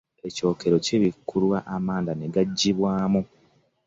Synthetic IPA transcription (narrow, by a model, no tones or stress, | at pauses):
e̞co̞ːke̞ɾo̞ceβikʰːuɾwaʔamaːndaneɡaɟːiβwaːmu